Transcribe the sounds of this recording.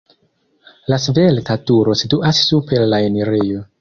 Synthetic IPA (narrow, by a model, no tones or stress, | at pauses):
lasveltatuɾo̞situʔasːupe̞lːaeneɾijo̞